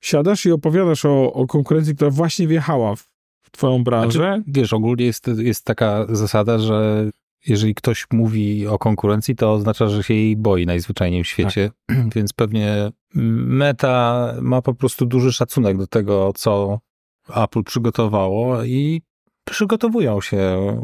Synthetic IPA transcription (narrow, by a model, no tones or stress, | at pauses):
ɕad̪aʂiɔpɔvʲjad̪aʂɔɔkɔŋkuɾɛnt̪sʲikt̪uɾavwaɕɲɛvjɛxawaf | t̪fɔjɔ̃w̃bɾãnaʐɛvʲjɛʂɔɡulɲɛjɛst̪jɛst̪ːakazasad̪aʐɛ | jɛʐɛlʲikt̪ɔɕmuvʲiɔkɔŋkuɾɛnt̪sʲit̪ɔːznat͡ʂaʐɛɕɛjejbɔjinajzvɘt͡ʂajɲejmɕfʲet͡ɕɛvʲjɛnt̪spɛvɲɛ | mɛt̪amapɔpɾɔst̪ud̪uʐɘʂat̪sunɛɡd̪ɔt̪ɛɡɔt̪sɔ | aplpʂɘɡɔt̪ɔvawɔi | pʂɘɡɔt̪ɔvujɔ̃w̃ɕɛ